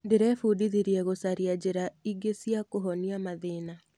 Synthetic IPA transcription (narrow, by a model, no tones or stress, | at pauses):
ndeɾɛfudiðiɾiɛɣosaɾiad͡ʑeɾaiɡesjakoɦɔniamaðeːna